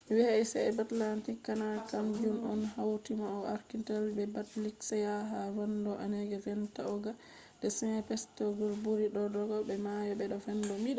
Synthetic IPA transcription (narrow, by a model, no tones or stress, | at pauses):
wihajsɛɛbatlantikːanakampiunɔnhawtimaɔaɾkintalbɛbatliksɛjaɦavandɔʔanɛɡɛvɛntaɔɡa | dɛsɛnɛpɛstɔɡɔlbuɾiɗɔdɔɡɔbɛmajɔbɛɗɔvɛndɔmiɗa